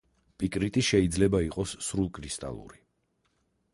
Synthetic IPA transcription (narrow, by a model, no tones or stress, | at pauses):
pʼikʼɾit̪ʼiʃɛid̪zlɛbaiqʼɔsːɾulˠkʼɾist̪ʼa̰lˠṵɾi